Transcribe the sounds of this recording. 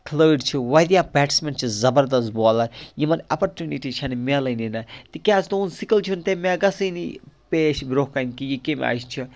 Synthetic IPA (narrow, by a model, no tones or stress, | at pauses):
kʰləːɖt͡ʃʰiʋɐd̪jabɛʈsment͡ʃʰizɐbɐɾd̪ɐst̪̚bɔːlɐɾjimɐnɐpɐɾtʲjuniʈit͡ʃʰɐnimelɐninɐt̪ikʲasʰt̪ounsikɐlt͡ʃʰunt̪emaɡɐsɐjnipeːʃbɾohkɐnkijikem̰ʲa̰ːjst͡ʃʰi